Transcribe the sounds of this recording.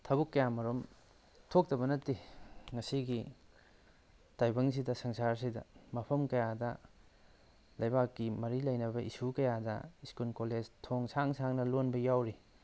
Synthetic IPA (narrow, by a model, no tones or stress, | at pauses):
tʰɐbukːɐjamɐɾom | tʰok̚tɐbɐnɐtːiŋɐsiɡi | tajbɐŋs̬idɐsɐŋsaɾs̬idɐ̰mɐpʰɐmkɐjadɐ | lɐjbakːimɐɾilɐjnɐbɐʔisukɐjadɐ̰iskunkoled͡ʒtʰoŋsaŋsʰaŋnɐlonbɐjawɾi